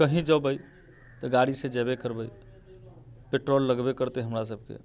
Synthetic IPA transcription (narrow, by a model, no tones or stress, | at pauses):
kəɦĩd͡ʒəbəj | t̪əɡaɽisẽd͡ʒɛbekəɾbəj | peʈɾolːəɡbekəɾt̪eɦəmɾasəb̚ʱkḛ